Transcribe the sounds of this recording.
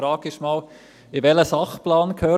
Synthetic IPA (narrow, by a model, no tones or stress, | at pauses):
ɾɑːɡɪʃmɑːl | ɪʋɛləsɑχplɑːnkʰhœː